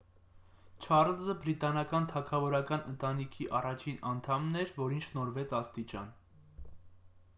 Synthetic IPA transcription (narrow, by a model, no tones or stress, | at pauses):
t͡ʃʰɑɾlzəbɾit̪ɑnɑkɑnt̪ʰɑkʰɑvɔɾɑkɑnə̰nt̪ɑnikʰiʔɑrɑt͡ʃʰinɑnt̪ʰɑmnɛɾvɔɾint͡ʃʰʃnɔɾvɛt͡sʰɑst̪it͡ʃɑ̰n